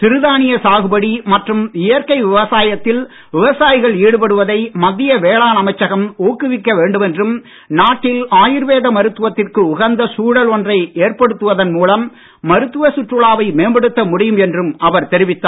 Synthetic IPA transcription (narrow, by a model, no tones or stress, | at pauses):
t̪ɪɾɯðaːnɪjɐsaːɣɯbɐɽimɐʈrɯmɪjɐɾkɐɪʋɪʋɐsaːjɐt̪ːɪl | ʋɪʋɐsaːjɣɐɭiːɽɯpɐɽɯʋɐðɐɪmɐðːɪjɐʋeːɭaːnɐmɐɪt͡ʃːɐɣɐmoːkːɯʋɪkːɐʋeːɳɖɯmɛndrɯm | naːʈːɪlaːjɪɾʋeːðɐmɐɾɯt̪ːɯʋɐt̪ːɪrkɯʊɣɐnd̪ɐsuːɽɐlɔndrɐɪeːrpɐɽɯt̪ːɯʋɐðɐnmuːlɐmː | ɐɾɯt̪ːɯʋɐsʊʈrɯɭaːʋɐɪmeːmbɐɽɯt̪ːɐmʊɽɪjɯmɛndrɯmɐʋɐɾt̪ɛɾɪʋɪt̪ːaː